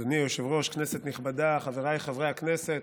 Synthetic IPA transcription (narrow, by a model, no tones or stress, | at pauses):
anijoʃevʁo̞ʃknese̞t̪niχbad̪aχaveʁajχavʁejhakneset̪